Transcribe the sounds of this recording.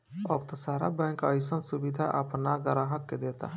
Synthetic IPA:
ɔbt̪ɐsaːɾa̰bɛ̃ŋkajsɐnsubid̪ʱaʔapnaɡɐɾaɦɐkːed̪eːt̪a̰

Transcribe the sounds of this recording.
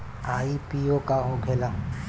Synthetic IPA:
aːipiokaɦoɡʱela

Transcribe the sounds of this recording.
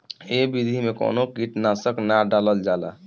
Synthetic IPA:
ebid̪ʱimeko̰nokiʈnasəknaɖaləld͡ʒala̰

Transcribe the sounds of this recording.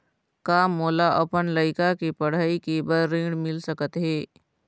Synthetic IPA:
kaːmːoːlaʔɐpənləɪkakipəɽ̤aːikibəɾɾĩːɽmɪlsəkət̪ɦeː

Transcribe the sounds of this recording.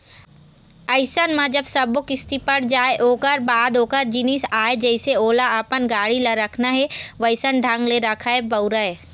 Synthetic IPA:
əɪsənmãd͡ʒɐbsɐbokɪst̪ipɐɽ̤d͡ʒaːeʔoːkəɾbaːd̪oːkəɾd͡ʒinisaːed͡ʒɛɪseoːlaəpənɡaːɽilaɾɐkʰnaɦɛʋəɪsənɖʱãŋɡleɾɐkʰaebəʊɾəɛ

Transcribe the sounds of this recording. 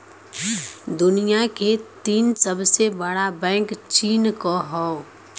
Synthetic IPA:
d̪ʊnijaket̪iːnsəbsebəɽabɛ̃ːŋkt͡ʃiːnkoɦɔ

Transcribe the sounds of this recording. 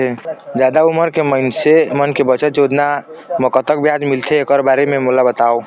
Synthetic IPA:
ed͡ʒad̪auməɾkeməɪnsemənkebət͡ʃət̪̚d͡ʒeod̪naməkət̪ək̚bjad͡ʒmilt̪ʰeːkəɾbaɾememulabət̪ao

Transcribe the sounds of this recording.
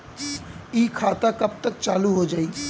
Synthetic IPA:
iːkʰaːt̪akɐb̚t̪ək̚t͡ʃaːluɦod͡ʒaːi

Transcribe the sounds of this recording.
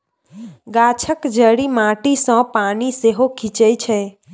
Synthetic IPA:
ɡat͡ʃʰəkd͡ʒəɽimãʈisɔ̃paniseɦokʰit͡ʃəjt͡ʃʰe

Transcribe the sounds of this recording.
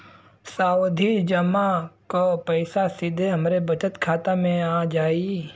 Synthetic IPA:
saːwd̪ʱid͡ʒəmakopəɪsasɪd̪ʱeɦɐmɾebɐt͡ʃət̪kʰaːt̪amẽaːd͡ʒaːi

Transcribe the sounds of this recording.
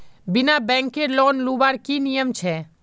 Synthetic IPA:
bɪnabɛ̃ːŋkeɾlɔːnluːbaːɾkinijəmt͡ʃʰɛː

